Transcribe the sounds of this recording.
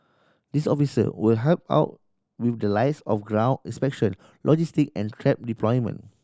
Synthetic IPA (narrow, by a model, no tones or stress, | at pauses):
disɔfisə̰wilɦɛlp̚a̰ʊt̚ | wifdəlaɪtsɔfɡɹãw̃nḭ̃nspɛk̚ʃɔ̃n | lʔɔd͡ʒistikɛ̃ntʰɹɛp̚diplɔjmə̰̃n